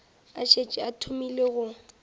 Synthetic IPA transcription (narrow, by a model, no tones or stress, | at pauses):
aʃet͡ʃʼɪatʰʊmileɣʊ